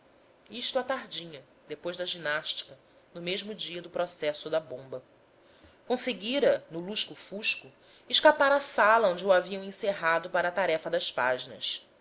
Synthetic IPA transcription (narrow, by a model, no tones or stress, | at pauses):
iʃt̪ʊat̪aɦd͡ʒĩɲɐ | d̪epojzd̪ɐʒinaʃt͡ʃi̥kɐ | nʊmeʒmʊd͡ʒiɐd̪ʊpɾɔsɛsʊd̪ɐbõmbɐ | kõseɡiɾɐnʊluʃkʊfuʃkʊ | ɪʃkapaɾɐsalɐõd͡ʒɪuaviɐ̃w̃ẽseɦad̪ʊpaɾɐːt̪aɾɛfɐd̪ɐspa̰ʒinɐ̰s